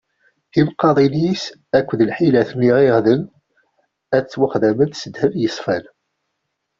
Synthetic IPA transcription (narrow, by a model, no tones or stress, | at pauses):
imqːɑðˤinis | ækʷːðəlħilæθniʁiʁðən | æt͡sːwaχðæmənθsəd̪hævjəsˤfæl